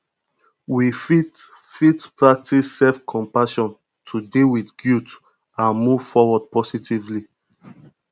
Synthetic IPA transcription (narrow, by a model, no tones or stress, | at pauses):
wifit | fitpɹak̚tʰisːɛfkʰɔ̃mpaʃɔ̃n | tʰudiwidɡjut | ãnmuv̥fɔwɔd̚pɔsitʰivli